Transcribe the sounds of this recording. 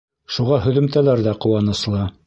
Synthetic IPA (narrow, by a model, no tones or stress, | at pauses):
ʃuʁɑhɵ̆ðɵ̆mt̪ælæɾðæqŏwɑnɤ̆slˠɑ